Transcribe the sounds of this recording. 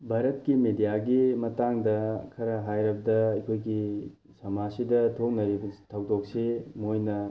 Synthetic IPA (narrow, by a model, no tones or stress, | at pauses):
bʱaɾɐt̚kimedijaɡimɐtaŋdɐkʰɐɾɐɦajɾɐbɐdɐɐjkʰojɡi | sɐmasidɐtʰok̚nɐɾibɐtʰɐw̚dok̚semojnɐ